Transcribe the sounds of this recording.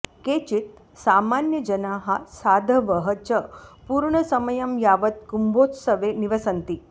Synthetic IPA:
ket͡ʃit̪̚ | saːmanjəd͡ʒɐnaːɦasaːd̪ʱɐʋəɦət͡ʃəpuːɾɳɐsɐməjɐmjaːʋɐt̪̚kumbot̪səʋeniʋɐsɐnt̪i

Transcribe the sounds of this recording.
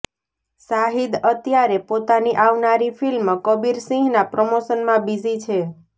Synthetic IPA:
saɦid̪ət̪jaɾepot̪aniʔaʋnaɾifʰilmkəbiɾsĩɦnapɾəmosənmãbizit͡ʃʰe

